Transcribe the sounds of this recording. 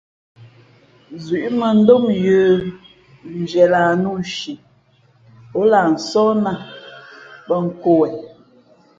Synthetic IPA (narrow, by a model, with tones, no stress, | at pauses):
zɥi˨ʔmə˨n̩˦do˦mjə˨˦ | n̩˨d͡ʒɛ˨la˨nu˦˨ʃi˨ | o˦la˨n̩˨sɔ˦na˨ | pə˦ŋ̩˨ko˦˨wɛ˨